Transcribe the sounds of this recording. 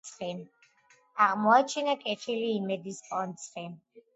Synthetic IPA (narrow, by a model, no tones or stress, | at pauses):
sχin | aʁmɔat͡ʃʰinakʼɛt̪ʰiliːmɛd̪ispʼɔnt̪sʰʼχi